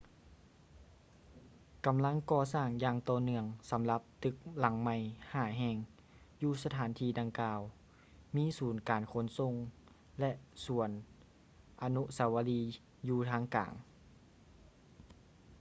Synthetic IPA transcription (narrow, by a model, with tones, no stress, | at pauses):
ka˨˩mla˧˥ŋkɔː˧saː˧˩ŋjaː˧ŋt̪ɔː˧˩nɯ˧əŋsa˨˦mla˧˦p̚t̪ɯ˧˦k̚la˨˩˦ŋma˧˩jhaː˧˩ɦɛː˧ŋ | juː˧sa˧t̪ʰaː˨˦nt̪ʰiː˧˩da˧ŋkaː˧w | miː˧˥˨suː˨˩nkaː˨˩nkʰo˧˥nso˧˨ŋ | lɛ˧ʔsu˨˩˦ən | ʔa˧nu˧sa˨˦wa˧liː˧ | juː˧t̪ʰaː˧˥ŋka̰ː˨˩ŋ